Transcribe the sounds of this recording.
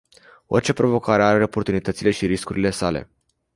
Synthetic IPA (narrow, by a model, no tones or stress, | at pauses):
o̞̰rʲt͡ʃe̞pɾo̞vo̞kaɾe̞aɾe̞o̞po̞rt̪unit̪ət̪sile̞ʃiɾiskuɾile̞sale̞̰